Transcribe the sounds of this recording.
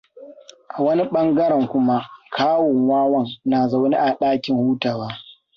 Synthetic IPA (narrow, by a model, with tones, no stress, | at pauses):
ʔa˨wɐ˦ni˦ɓɐ˦ŋɡɐ˦ɾɛ˨ŋkʷʊ˦ma˦kʰaː˦wɔ˨ŋwaː˦wɐ˦ŋnaː˨za˦wɐ˦ni˦ʔa˨ɗaː˦kʲɪ˨ŋhuː˦taː˨waː˦